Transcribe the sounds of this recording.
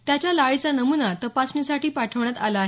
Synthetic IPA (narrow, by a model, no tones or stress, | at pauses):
t̪jat͡ɕjalaɭit͡sanəmunat̪əpasnesaʈiːpaʈʰəʋɳjat̪a̰laːɦe